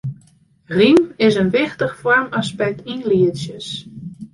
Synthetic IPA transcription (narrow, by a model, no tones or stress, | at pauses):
rimɪsənʋɪxtəxfɔrmaspɛk̚tʰinliəsjəs